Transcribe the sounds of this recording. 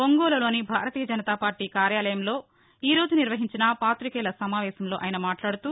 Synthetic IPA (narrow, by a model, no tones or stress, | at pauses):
oŋɡoːlɐlo̞ːnibʱaːɾɐt̪iːjɐd͡ʒɐnɐt̪aːpaːɾʈiːkaːɾjaːlɐjɐmlo̞ː | iːɾo̞ːd͡ʒuniɾʋɐɦiɲt͡ʃinɐpaːt̪ɾikɛːlɐsɐmaːʋɛːsɐmlo̞ːʔɐjɐnɐmaːʈlaːɽut̪u